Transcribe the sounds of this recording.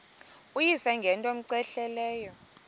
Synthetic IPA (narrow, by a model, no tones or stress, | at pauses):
ujisɛŋɡʱɛntʼom̩ǀɛɬɛlɛːjɔ